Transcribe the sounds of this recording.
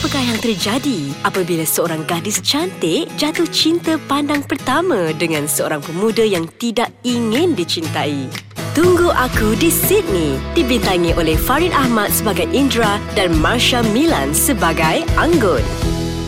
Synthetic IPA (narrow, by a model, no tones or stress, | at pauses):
apakaɦjaŋt̪ərd͡ʒadiʔapabilasəoɾaŋɡadɪst͡ʃant̪ɪʔd͡ʒat̪ʊht͡ʃint̪əpandaŋpərt̪amãdəŋãnsəo̰ɾaŋpəmũdəjaŋt̪idaʔ̚iŋɪ̃ndit͡ʃint̪ait̪uŋɡuʔakudisɪt̪̚nidibint̪aŋiʔolɛhfaɾinʔahmat̪̚səbaɡajʔindɾadanmarʃamĩla̰nsəbaɡajaŋɡɔt̪̚